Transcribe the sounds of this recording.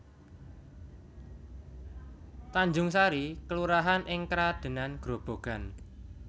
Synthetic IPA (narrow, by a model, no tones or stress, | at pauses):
t̪aɲd͡ʒʊŋsaɾikəluɾaɦanʔɪŋkɾad̪̥e̤nanɡ̥ɾo̤b̥o̤ɡ̥a̤n